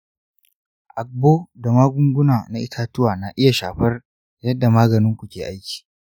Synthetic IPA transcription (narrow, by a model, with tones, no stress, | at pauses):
ʔa˨k̚boː˦da˨maː˦ɡʷʊ˦ŋɡʷʊ˦naː˨na˦ʔɪ˦tʰaː˦tʊ˦waː˨na˨ʔɪ˦ja˨ʃaː˨ɸɐ˦r | jɐ˦dːa˨maː˦ɡɐ˨nɪ˦ŋkʷu˨kʲeː˨ʔa˦jkʲi̥ː˨